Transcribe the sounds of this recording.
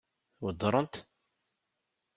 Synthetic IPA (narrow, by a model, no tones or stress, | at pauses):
wəd̪ˤɾˤənt̪